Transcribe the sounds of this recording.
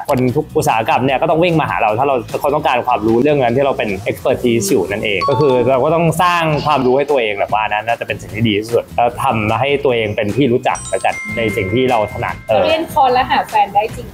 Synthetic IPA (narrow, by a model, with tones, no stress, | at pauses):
kʰo˧nt̪ʰu˦˥k̚ʔu˨˩t̪̚saː˩˦ha˧ka˧mni˥˩kɔː˥˩t̪ɔ˥˩ŋwi˥˩ŋmaː˧ɦa̰ː˩˦ɾa˧wt̪ʰaː˥˩ɾa˧wkʰa˦˩t̪ɔ˥ŋkaː˧nkʰwaː˧mɾuː˦˥ɾɯ˥˩əŋna˦˥nt̪ʰiː˥˩ɾa˧wpe˧nʔe˦˥k̚spɤː˧˩t̪ʰiː˧˦˥sjuː˨˩na˥˩nʔeː˧ŋkɔː˥˩kʰɯː˧ɾa˧wkɔː˥˩ɔ˥˩ŋsaː˥˩ŋkʰwaː˧mɾuː˦˥ha˥˩jt̪u˧ɐʔeː˧ŋbɛː˨˩k̚waː˥˩na˦˥naː˥˩t͡ɕa˨˩pe˧nsi˨˩ŋt̪ʰiː˥˩diː˧iː˥˩su˨˩lɔː˦˥˩t̪ʰa˧mɦa˥˩jt̪u˧ɐʔeː˧ŋpe˧nt̪ʰiː˥˩ɾuː˦˥t͡ɕa̰˨˩k̚la˦˥ka̰˧˩nna˧jsi˨˩ŋt̪ʰiː˥˩ɾa˧wt̪ʰa˧na̰ː˨˩˦nʔɤː˧ɾi˥˩ənkʰɔː˧nlɛ˦˥ɦaː˨˩fɛː˧ndaː˥˩jt͡ɕi˧ŋ